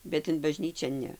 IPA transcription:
bʲɛt ɪn bɐˈʒʲnʲiːt͡ʃʲɛ ˈnʲɛ

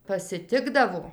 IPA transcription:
pɐsʲɪˈtʲɪɡdɐʋoː

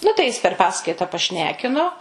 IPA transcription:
ˈnʊ tɐɪ jɪs pʲɛr ˈpɑːskɐɪtɐ pɐˈʃʲnʲæːkʲɪnoː

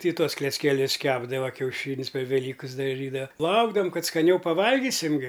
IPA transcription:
tʲɪ ˈtuɔs klʲɛt͡sʲkʲɛˈlʲʊs ˈkʲæːbdɐʋɐ kʲɛʊˈʃʲiːnʲsʲ pʲɛr ʋʲɛˈlʲiːkɨs dɐˈʒʲiːdɐʋɐ ˈlˠɐʊɡdɐʋɐm ˈkɐt skɐˈnʲɛʊ pɐˈʋɐlʲɡʲiːsʲɪm ˈɡʲɪ

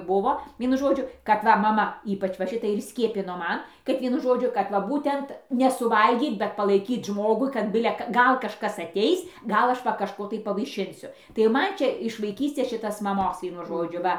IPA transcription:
ˈbʊʋoː ˈʋʲiɛnʊ ˈʒoːd͡ʒʲʊ kɐt ˈʋɐ mɐˈmɐ ˈiːpɐt͡ʃ ʋɐ ˈʃʲɪtɐɪ ɪr ˈsʲkʲiɛpʲɪnoː ˈmɐn kɐt ˈʋʲiɛnʊ ˈʒoːd͡ʒʲʊ kɐt ˈʋɐ ˈbuːtʲɛnt nʲɛsʊˈʋɐlʲɡʲiːt bʲɛt pɐlˠɐɪˈkʲiːt ˈʒmoːɡʊɪ kɐt ˈbʲɪlʲɛ kɐ ˈɡɐlˠ kɐʃˈkɐs ɐtʲɛɪs ˈɡɐlˠ ˈɐʃ ʋɐ kɐʃˈkoː tɐɪ pɐʋɐɪˈʃʲɪnʲsʲʊ tɐɪ ˈmɐn ˈt͡ʃʲɛ ɪʃ ʋɐɪˈkʲiːsʲtʲeːs ˈʃʲɪtɐs mɐˈmoːs ˈʋʲiɛnʊ ˈʒoːd͡ʒʲʊ ˈʋɐ

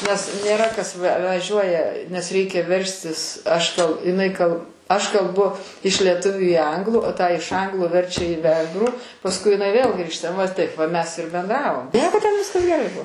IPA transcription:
nʲɛs nʲeːˈrɐ kɐs ʋʲɛ ʋɐˈʒʲuɔjɛ nʲɛs ˈrʲɛɪkʲɛ ˈʋʲɛrʲsʲtʲɪs ɐʃ tɐʊ ɪˈnɐɪ kɐlˠ ɐʃ kɐlˠˈbʊ ɪʃ lʲiɛˈtʊʋʲʊ iː ˈɐŋɡlˠuː tɑː ɪʃ ˈɐŋɡlˠuː ˈʋʲɛrʲt͡ʃʲɛ iː ˈʋʲɛŋɡruː pɐsˈkʊɪ ɪˈnɐɪ ʋʲeːlˠ ˈɡrʲiːʃtɐ ʋɐ ˈtɐɪp ʋɐ ˈmʲɛs ɪr bʲɛnˈdrɑːʋoːm ˈnʲiɛkoː tʲɛn ˈʋʲɪskɐs ɡʲɛˈrɐɪ ˈbuɔ

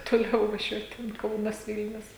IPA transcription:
toːˈlʲɛʊ ʋɐˈʒʲuɔt tʲɛn ˈkɐʊnɐs ˈʋʲɪlʲnʲʊs

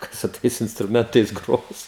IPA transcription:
ˈkɐs sʊ ˈtɐɪs ɪnstrʊˈmʲɛntɐɪs ˈɡroːs

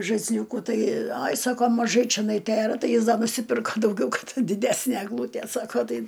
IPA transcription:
ʒɐɪsʲˈlʲuːkuː ˈtɐɪ ˈɐj ˈsɑːkoː mɐˈʒɐɪ t͡ʃʲɛˈnɐɪ ˈtʲeːrɐ ˈtɐɪ ˈjɪs ˈdɐ nʊsʲɪˈpʲɪrkɐ dɐʊˈɡʲɛʊ ˈkɐt dʲɪˈdʲæsʲnʲæ ɛɡˈlˠuːtʲiɛ ˈsɑːkoː ˈtɐɪ

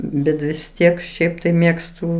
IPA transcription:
ˈbʲɛt ʋʲɪs ˈtʲiɛk ˈʃʲɛɪp tɐɪ ˈmʲeːkstʊ

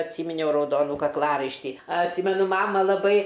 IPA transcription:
ɐtʲˈsʲiːmʲɪnʲɛʊ rɐʊˈdoːnuː kɐkˈlˠɑːrɐɪʃʲtʲiː ɐtʲˈsʲiːmʲɛnʊ ˈmɑːmɐ lˠɐˈbɐɪ

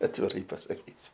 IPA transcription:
ɐtʲʋʲɪˈrɐɪ pɐsɐˈkʲiːsʲʊ

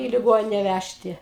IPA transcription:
iː lʲɪˈɡoːnʲɪnʲɛ ˈʋʲæʃʲtʲɪ

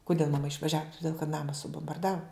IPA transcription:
kʊˈdʲeːlˠ mɐˈmɐ ɪʃʋɐˈʒʲæːʋʊ tʊˈdʲeːlˠ kɐt ˈnɑːmɐ sʊboːmbɐrˈdɑːʋʊ

